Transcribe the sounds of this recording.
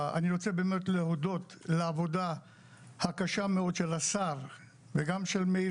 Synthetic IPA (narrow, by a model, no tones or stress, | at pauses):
a̰niʁo̞t͡se̞beːme̞t̪leɦod̪o̞t̪leavo̞d̪a | hakaʃame̞o̞d̪ʃe̞lasaʁ | veɡamʃe̞lmei